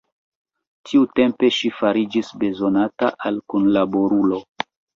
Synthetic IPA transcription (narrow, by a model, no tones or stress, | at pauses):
tʰiute̞mpe̞ʃifaɾid͡ʒisbe̞zo̞nataʔalkunlabo̞ɾulo̞